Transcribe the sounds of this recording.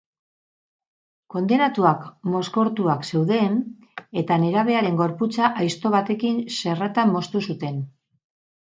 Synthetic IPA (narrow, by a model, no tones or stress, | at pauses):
ko̞nd̪e̞nat̪uakmo̞sko̞ɾt̪uakse̞wðe̞n | e̞t̪ane̞ɾaβ̞e̞aɾe̞ŋɡo̞ɾput͡saʔajst̪o̞β̞at̪e̞kinse̞rat̪amːo̞st̪usut̪e̞n